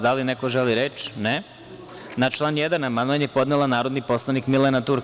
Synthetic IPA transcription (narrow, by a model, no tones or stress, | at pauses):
d̪alinekoʒeliɾet͡ʃne | nat͡ʃlˠaːnjed̪anamanoaɲjepo̞d̪nelˠanaːɾod̪nipo̞slˠanikmilenat̪uɾk